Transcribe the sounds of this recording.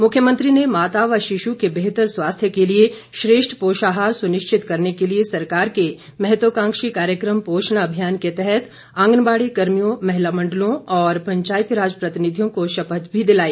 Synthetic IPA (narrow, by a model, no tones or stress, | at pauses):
mʊkʰjəmə̃nt̪ɾinemaːt̪aːʋaʃɪʃukebeɦt̪əɾswaːst̪ʰjəkelie | ʃɾeːʃʈʰpoːʃaːɦaːɾsʊnɪʃt͡ʃʰɪt̪kɐɾnekeliesɐɾkaːɾke | mɛɦɛt̪ʋəkãːŋkʃikaːɾjəkɾəmpoːʃɳaɐbʱijaːnket̪ɛɦɛt̪ | ãːŋɡnbaːɽikɐɾmijõmɛɦɪlamɐ̃ɳɖəlõɔːɾpɐ̃ɲt͡ʃaːjɪt̪ɾaːd͡ʒəpɾɐt̪ɪnɪd̪ʱijõkoʃɐpət̪bʱid̪ɪlaːiː